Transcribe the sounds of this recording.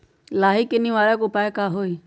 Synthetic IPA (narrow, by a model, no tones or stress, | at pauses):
laːɦikːɪniʋaːlɛkʊpaekaɦoi